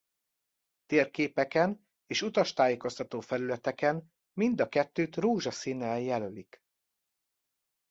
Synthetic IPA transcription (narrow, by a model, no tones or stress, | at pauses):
t̪eːrkeːpɛkɛn | eːʃut̪ɒʃt̪aːjeːko̞st̪ɒt̪oːfɛlylɛt̪ɛkɛn | mind̪ɒkɛt̪ːøːt̪roːʒɒsinːɛjɛlølik